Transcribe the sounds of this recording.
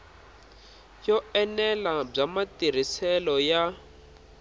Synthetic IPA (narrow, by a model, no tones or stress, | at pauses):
jɔɛnɛlab͡ʐamatir̤isɛlɔja